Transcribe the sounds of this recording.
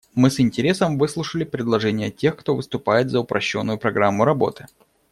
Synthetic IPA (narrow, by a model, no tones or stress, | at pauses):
mɨsɪnʲtʲɪɾʲe̞səmvɨslˠʊʂəlʲɪpɾʲɪd̪lˠɐʐɛnʲɪjətʲe̞xkt̪o̞vɨst̪ʊpajɪt̪zəʊpɾʔɐɕːo̞̰nːʊjʊpɾɐɡɾamːʊɾɐbo̞̰t̪ɨ̥